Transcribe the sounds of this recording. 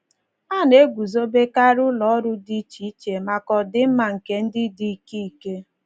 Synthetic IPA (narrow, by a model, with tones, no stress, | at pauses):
a˦˨ne˦ɡʷu˨zo˦be˦ka˦ɾʊ˦lɔ˨ɔ˦ɾʊ˦di˦t͡ʃi˨˦t͡ʃe˨ma˨kɔ˨dɪ˦m̩˦ma˨ŋ̩˨ke˦n̩˦dɪ˦di˦i˨ke˦i˨ke˦